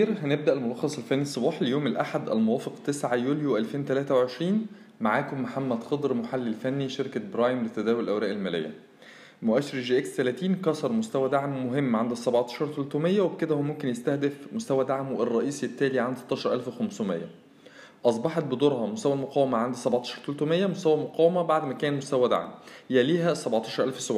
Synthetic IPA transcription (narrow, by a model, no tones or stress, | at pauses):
iːɾɦæneb̚d̪æʔelmolɑxːɑsˤelfænːisˤːobɑːħlejoːmelʔaħad̪ʔælmowæːfeqt̪esʕajuːljoʔælfeːnt̪ælæːt̪æwʕeʃɾiːn | maʕaːkomːħamːæd̪xɑd̪ˤɾmoħalːilfænːiʃeɾkæbɾɑːjmlet̪æd̪æːwollʔæwɾæːʔelmæːlḛjːæ̰ | moʔæʃeɾʒiʔekst̪ælæːt̪iːnkɑsˤɑɾˤmost̪æwæd̪aʕmːoɦemːʕand̪sˤæbʕt̪ɑ̥ʃɑɾˤt̪olt̪umejːæweked̪æhowæmomkenjest̪æhd̪efmost̪æwæd̪aʕmwerˤːɑʔiːsjet̪ːæːliʕand̪sɑt̪ːˤɑːʃɑɾˤʔælfwexæmsumḛjːæ̰ | ʔɑsˤbɑħɑt̪̚bed̪oːɾˤhɑmost̪æwælmoqæːwemæʕand̪sæbʕt̪ɑ̥ːʃɑɾˤt̪olt̪omejːæmost̪æwælmoqæːwemæbaʕd̪mækæːnmost̪æwæd̪a̰ʕmhjæliːɦæsæbʕt̪ˤɑːʃɑɾʔælfwesobʕ